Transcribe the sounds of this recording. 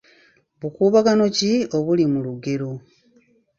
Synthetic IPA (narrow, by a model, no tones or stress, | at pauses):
βukuːβaɡano̞cio̞βulimuluɡe̞ɾo